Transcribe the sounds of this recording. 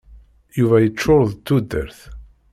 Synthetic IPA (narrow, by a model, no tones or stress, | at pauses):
juvæjət͡ʃːʊɾðˤt̪ːud̪ːə̰ɾθ